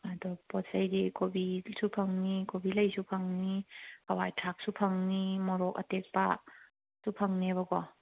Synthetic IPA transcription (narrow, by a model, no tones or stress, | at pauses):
adɔpɔtsajdikobisupʰaŋnikobilajsupʰaŋnikawajtʰak̚supʰaŋnimɔɾɔka̰tek̚pa̰ | supʰaŋneβɐkɔ